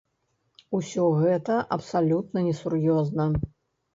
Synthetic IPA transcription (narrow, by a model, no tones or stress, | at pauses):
usʲɔɣɛt̪ɐʔɐpsalʲut̪̚nɐnʲɛsurjɔznɐ